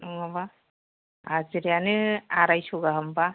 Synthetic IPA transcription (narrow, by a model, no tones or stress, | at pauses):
ɔŋaba | aziɾijanɯaɾajsɔɡaɦɯmba